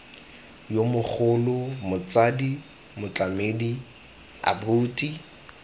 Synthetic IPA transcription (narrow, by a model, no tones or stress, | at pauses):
jomʊk͡xʰʊlʊmʊt͡sʼadi | mʊt͡ɬamedi | a̰buːtʼi